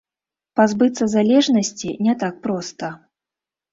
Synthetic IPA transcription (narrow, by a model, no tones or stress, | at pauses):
pazbɨt̪sɐzalʲɛʐnɐsʲt͡sʲinʲɛt̪ak̚pɾɔst̪ɐ